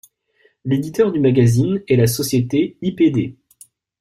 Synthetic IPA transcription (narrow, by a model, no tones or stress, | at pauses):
led̪it̪œʁd̪ymaɡʲazinɛlasɔsjet̪eiped̪e